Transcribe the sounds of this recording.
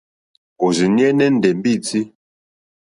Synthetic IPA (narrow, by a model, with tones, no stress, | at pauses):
o˨zi˨njɛ˦nɛ˦n̩˨dɛ˨m˦bi˦˨t͡si˦